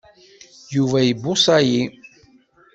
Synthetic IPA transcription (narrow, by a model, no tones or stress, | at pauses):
juvæjəbːʊsɑji